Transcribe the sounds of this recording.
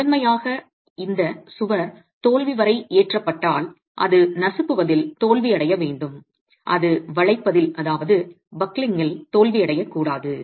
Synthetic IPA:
ɐnmɐjaːɣɐ | ɪnd̪ɐsʊʋɐɾ | t̪oːɭʋɪʋɐɾɐɪʔeːʈrɐpːɐʈːaːl | ʔɐ̰ðɯnɐsɐpːɯʋɐðɪlt̪oːlʋɪɐɽɐjɐʋeːɳɖɯm | ʔɐ̰ðɯʋɐɭɐɪpːɐðɪlʔɐðaːʋɐðɯ | bɐklɪŋɡɐɭt̪oːlʋɪɐɽɐjɐkːuːɽaːðɯ

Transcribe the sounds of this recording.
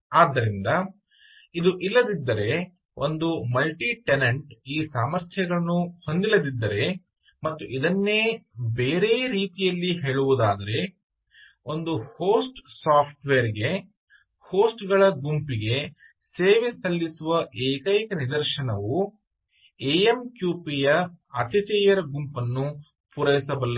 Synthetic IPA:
aːd̪ːɐɾind̪ɐ | id̪uʔilːɐd̪id̪ːɐɾe̞ | o̞̰nd̪umɐlʈiʈeneɳʈiːsaːmɐɾt̪ʰjɐɡɐɭɐnːuho̞nd̪ilɐd̪id̪ːɐɾe̞ | mɐt̪ːuʔid̪ɐnːe̞ːbe̞ːɾe̞ːɾiːt̪ijɐlːiɦe̞ːɭuʋud̪aːd̪ɐɾe̞ | o̞nd̪uhoːsʈsaːpʰʈʋeːɾɡe̞ | ho̞ːsʈɡɐɭɐɡumpiɡe̞ | seːʋesɐlːisuʋɐʔeːkɐjikɐnid̪ɐɾʃɐnɐʋu | eemkjuːpijɐɐt̪it͡ʃɐːjɐɾɐɡumpɐnːu | puɾɐjisɐbɐlːɐ

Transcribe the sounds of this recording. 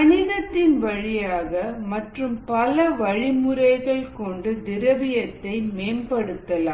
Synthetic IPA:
ɐnɪðɐt̪ːɪnʋɐɻɪjaːɣɐmɐʈrɯmpɐlɐʋɐɻɪmɯɾɐɪɣɐɭkɔɳɖɯd̪ɪɾɐʋɪjɐt̪ːɐɪmeːmpɐɽɯt̪ːɐlaː

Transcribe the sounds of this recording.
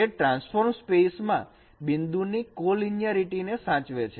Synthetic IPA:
eʈɾãnsfʰoɾmspesmã̰ | bɪnd̪unikolinjaɾiʈinesãt͡ʃʋet͡ʃʰe

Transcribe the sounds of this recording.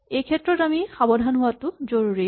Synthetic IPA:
ejkʰɛtːɹɔtamixabɔdʱanɦʊwatʊzoɹuɹi

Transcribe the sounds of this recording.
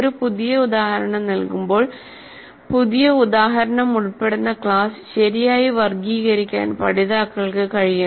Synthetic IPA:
ɾupuðijɐud̪aːhɐɾɐɳɐmnɐlkumbo̞ːɭ | puðijɐud̪aːɦɐɾɐɳɐmuɭpːe̞ɽunːɐkɭaːsɕɐɾijaːjiʋɐrɡiːɣɐɾikʲːa̰ːnpɐ̰ɽiðaːkːɐɭkɨkɐɻija

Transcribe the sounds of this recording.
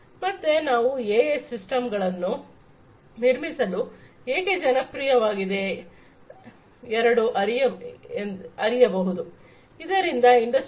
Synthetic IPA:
mɐt̪ːenaːʋueːesːisʈɐmɡɐɭɐnːu | niɾmisɐlu | eːked͡ʒɐnɐpɾijɐʋaːɡid̪e̞ | ɛɾɐɽuʔɐɾijɐ | ɐɾijɐbɐɦud̪u | id̪ɐɾind̪ɐiɳɖɐs

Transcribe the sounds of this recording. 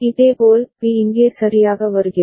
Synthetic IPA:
ɪðeːɡoːlpiɪŋɡeːsɐɾɪjaːɣɐʋɐɾɯɣɪɾ

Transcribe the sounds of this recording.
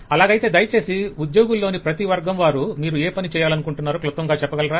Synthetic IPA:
ɐlaːɡɐjt̪e̞ːd̪ɐjɐt͡ʃe̞ːsiud̪jo̞ːɡulːo̞ːnipɾɐt̪iʋɐɾɡɐmʋaːɾumiːɾueːpɐnit͡ʃɛːjaːlɐnukuɳʈunːaːɾoːklut̪ːɐŋɡaːt͡ʃɛpːɐɡɐlɐɾaː

